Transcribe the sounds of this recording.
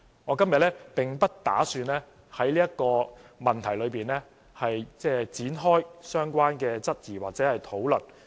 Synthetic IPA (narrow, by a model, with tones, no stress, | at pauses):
ŋɔː˨˧kɐ˥mjɐ˨t̚lɛː˥pɪ˨ŋpɐ˥t̚t̪a̰ː˨˥syː˧nlɛː˥ | hɐ˨˥jliː˥jɐ˥t̚kɔː˧mɐ˨nt̪ʰɐ˨˩jlɵ˨˧piː˨nlɛː˥ | hɐ˨jt͡sɛː˥˩t͡siː˨˥nɦɔː˥jsœː˥ŋkʷwaː˥nkɛː˧t͡sɐ˥t̚jiː˨˩waː˨k̚t͡sɛː˨˥hɐ˨jt̪ʰo˨˥wlɵ˨˩n